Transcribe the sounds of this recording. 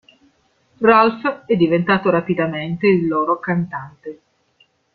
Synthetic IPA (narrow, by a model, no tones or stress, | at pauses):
ralfɛd̪ːivent̪aːt̪oɾapid̪ament̪eilːoːɾokant̪ant̪e